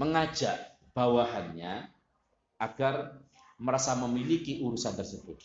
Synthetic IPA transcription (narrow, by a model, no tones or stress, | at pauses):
məŋḁd͡ʒaʔ | b̥awaɦanɲa | ʔaɡ̥ar | məɾasaməmilikiʔuɾusant̪ərsəb̥ʊt̪̚